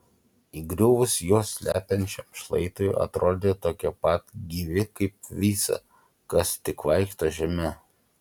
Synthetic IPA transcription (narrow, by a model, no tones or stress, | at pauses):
iɡɾʲʊʋʊsjoɔsʲlʲæ̰ːpʲɛnʲt͡ʃʲɛmʃlˠɐ̰ɪt̪ojɐ̰t̪ɾoːd̪ʲeːt̪oːkʲɛpɐt̪ɡʲiʋʲɪkɐɪp̚ʋʲiːsɐ̰ | kɐst̪ʲɪkʋɐɪkʃt̪oʒʲɛmʲɛ